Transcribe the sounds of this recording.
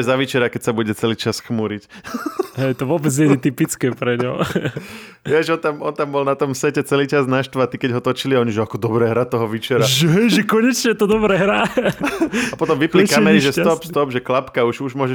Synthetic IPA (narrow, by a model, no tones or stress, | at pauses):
ɛzaʋit͡ʃɛɾakɛcsabuɟɛt͡sɛliːt͡ʃasxmuɾic | ɦɛjt̪ɔʋɔbɛd͡zɲɛɲɛt̪ipit͡skɛːpɾɛɲɔ̰ | jɛʒɛɔnt̪amɔnt̪ambɔlnat̪ɔmsɛcɛt͡sɛliːt͡ʃaznaʃt̪ʋat̪ikɛɟɦɔt̪ɔt͡ʃiliaɔɲiʒɛakɔd̪ɔbɾɛːɦɾat̪ɔɦɔʋit͡ʃɛɾaʒɛɦɛjʒɛkɔɲɛt͡ʃɲɛt̪ɔd̪ɔbɾɛːɦɾa | apɔt̪ɔmʋipplikamɛniʒɛst̪ɔpst̪ɔbʒɛklapkauʒuʒmʊɔʒɛ